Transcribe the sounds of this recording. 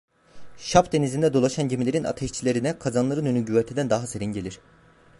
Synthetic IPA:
ʃapd̪e̞nizind̪ɛd̪o̞lˠaʃanɟimilʲe̞ɾina̰t̪ʰɛʃt͡ʃʰilʲe̞ɾinɛkʰazanlˠaɾɯnynyɟyβɛɾt̪ʰed̪ænd̪aɦaseɾiɲɟelʲiɾ̝̥

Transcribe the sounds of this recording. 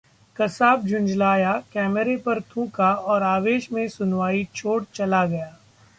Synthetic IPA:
kɐsaːb̚d͡ʒʊ̃nd͡ʒlaːjakɛːməɾepɐɾt̪ʰũːkaɔːɾaːʋeːʃmẽsʊnwaːit͡ʃʰoːɽt͡ʃɐlaɡɐjaː

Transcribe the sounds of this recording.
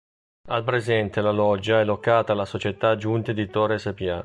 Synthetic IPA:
alpɾezɛnt̪elalɔd͡ʒːaɛlokːaːt̪alasot͡ʃet̪ad͡ʒunt̪ed̪it̪oɾesepia

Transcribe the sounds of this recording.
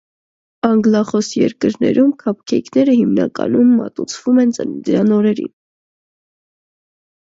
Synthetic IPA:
ɑŋɡlɑχɔsjɛɾkəɾnɛ̰ɾʔumkʰɑp̚ʰkʰɛjkʰnɛɾəhimnɑ̰kɑ̰numːɑ̰t̪ut͡sʰv̥umɛnt͡sənd̪əɾɑnɔɾɛɾḭn

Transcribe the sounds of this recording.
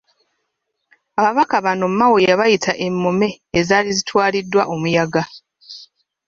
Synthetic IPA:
aβaβakaβano̞mːawojaβajitʰaʔe̞mːo̞me̞ːzaːlizitwaːlidːwaʔo̞mujaɡa

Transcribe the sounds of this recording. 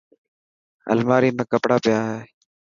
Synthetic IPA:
ə̰lmaːɾiːmẽːkəpɽaːpɪjaːɦeː

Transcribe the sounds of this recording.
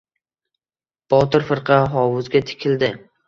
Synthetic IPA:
b̥ɒt̪ɪɾfɨɾqʰɑɦɒwʊzɡʲat̪ʰɪ̥kʲʰɪld̪ɪ

